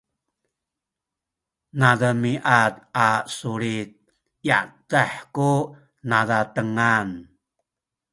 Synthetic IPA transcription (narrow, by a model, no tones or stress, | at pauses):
nadəmiʔat̪asuɾit̪̚ | ja̰taħku | nadatəŋan